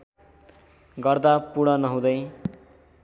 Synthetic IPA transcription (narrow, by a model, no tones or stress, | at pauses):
ɡʌrd̪apuɽ̃ʌnʌɦũd̪ʌj